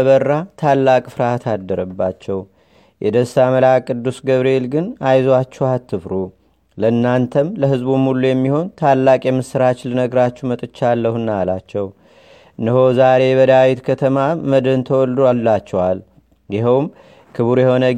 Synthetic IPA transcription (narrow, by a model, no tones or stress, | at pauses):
əβərːat̪ʰalːakʼfɨɾat̪ʰad̪ːəɾəbːat͡ʃːɛw | jʔɛd̪əsaməlakʼɨd̪ːusɡəβɾelɡɨnajzat͡ʃːɛhat̪ʰːɨfɾu | ləɨnːant̪ʰəmləɦɨzbumulːujɛmːiho̞nt̪ʰalːakʼjɛmːɨsɨɾat͡ʃlɨnəɡɾat͡ʃːɛmət̪ʼɨt͡ʃːalːəhɨnːalat͡ʃːɛw | nəhozaɾe̞βəd̪awit̪kʰət̪ʰəmaməd̪ənt̪ʰəwɔld̪olːat͡ʃːɛwal | jɪɦəwm | kʰɨβuɾjɛho̞nə